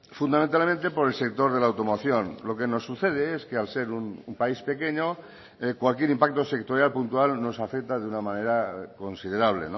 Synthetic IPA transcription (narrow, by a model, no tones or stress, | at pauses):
fund̪amẽnt̪alment̪e̞po̞ɾelse̞k̚t̪o̞ɾð̞e̞lawt̪o̞moθjo̞nlo̞ke̞no̞sːuθeð̞eeskealse̞ɾunumpaispe̞keɲo | ekwalkje̞ɾimpak̚t̪o̞se̞k̚t̪oɾjalpunt̪ualno̞safek̚t̪aðeunamãne̞ɾako̞nsiðe̞ɾaβ̞le̞̰no